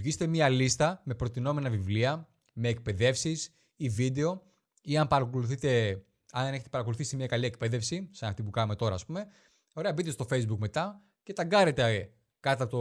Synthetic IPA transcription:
ʝist̪emɐlist̪ɐme̞pɾo̞t̪ino̞me̞nɐvivliɐ | me̞ːk̚pe̞ðe̞fsis | ivid̪e̞o̞ | iɐnpɐɾɐko̞luθit̪e̞ | ɐnðneçet̪epɐɾɐko̞luθisimɲɐkɐliekpe̞ðe̞fsisɐnɐft̪ip̬ukɐnume̞t̪o̞ɾɐ̰ːspume̞ | o̞ɾe̞ɐbit̪e̞st̪o̞fejzbukme̞t̪ɐ | cet̪ɐɡɐɾe̞t̪e | kɐt̪ɐpot̪o

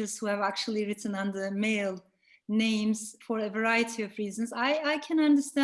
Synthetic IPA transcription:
əz̥huævæk̚t͡ʃul̩ˠiɹɪtn̩ʌ̃ndə˞meɪlˠ | nẽɪ̃mz̥fəɹəvə˞aɪɨtʰiɔvɹiːzə̃nzaɪaɪkʰæ̃nʌ̃ndə˞stæ̃

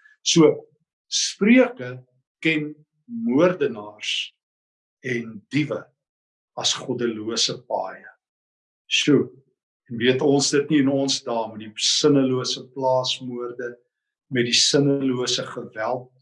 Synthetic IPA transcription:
suə | spriəkə | kɛn | muərdənɑːrs | ɛndivə | ɐsχɔdəluəsəpɑːjə | su | ɛnviətɔnsdətniənɔnsdɑːmədisənəluəsəplɑːsmuərdə | mɛt̚disənəluəsəχəvælˠt̚

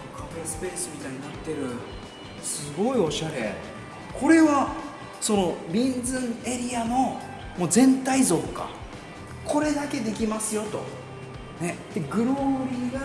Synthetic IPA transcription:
kabesɨ̥pe̞ːsɨmʲit̪aiɲ̟inat̪ːe̞ɾɯ̟ | sɨɡo̞io̞ɕaɾe̞ | kʰo̞ɾe̞βa | so̞no̞ɾʲĩnd͡zɨ̃ɴe̞ɾʲiano̞ | moːzẽ̞nt̪aizo̞ːka̰ | ko̞ɾe̞d̪ake̞d̪e̞kʲimasɨjo̞t̪o̞̰ | ne̞t̪ːeɡɯ̟ɾo̞ɾʲiɡa

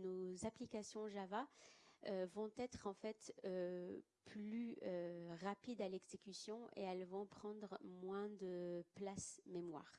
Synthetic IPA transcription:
nozaplikasjɔ̃ʒavaøvɔ̃t̪ɛt̪χɑ̃fɛt̪ø | plyøʁapid̪alɛɡzekʲysjɔ̃ḛɛlvɔ̃pχɑ̃d̪ʁmwɛ̃d̪əplasmemwa̰ːʁ

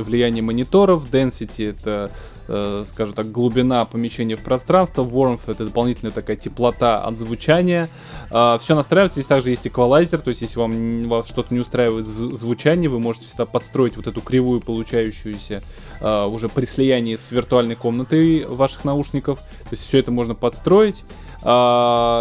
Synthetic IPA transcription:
vlʲɪjænʲɪjəmənʲɪt̪o̞ɾəfd̪ɛnsʲɪtʲɪɛt̪ə | skaʐɨmt̪ak̚ɡlˠʊbʲɪnapəmʲɪɕenʲɪjəfpɾɐst̪ɾanst̪vəvo̞rmfɛt̪əd̪əpɐlˠnʲitʲɪlʲnəjt̪ɐkajətʲɪplˠɐt̪aɐ̰d̪zvʊt͡ɕænʲɪjə | əfsʲonɐst̪ɾajvɪt̪səzʲesʲt̪aɡʐɨjesʲtʲɪkvɐlˠazʲɪrt̪o̞ɪsʲt̪ʲjesʲlʲɪvamvasʂt̪o̞t̪ənʲɪʊst̪ɾaɪvəjɪt̪zvzvʊt͡ɕænʲɪjvɨmo̞ʐɨtʲɪ̥fsʲɪɡd̪apɐt̪st̪ɾo̞ɪtʲvot̪ɛt̪ʊkɾʲɪvujʊpəlˠʊt͡ɕæjʉɕːʊjʊsʲə | əʊʐɛpɾʲɪsʲlʲɪjænʲɪjəsvʲɪrt̪ʊalʲnəjko̞mnət̪əɨjvaʂɨ̥xnɐuʂnʲɪkəf | t̪o̞ɪst̪ʲfsʲɵɛt̪əmo̞ʐnəpɐt̪st̪ɾo̞jɪtʲ | ə

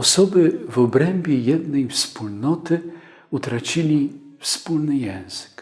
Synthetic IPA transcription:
ɔsɔbɘvɔbɾɛmʲbʲjɛjɛd̪nɛjfspulnɔt̪ɘ | ut̪ɾat͡ɕilʲi | fspulnɘjɛ̃w̃z̥ɘ̥k

